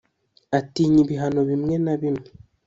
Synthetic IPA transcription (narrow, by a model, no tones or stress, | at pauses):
atiɲiβiɦano̞βimŋe̞naβimŋe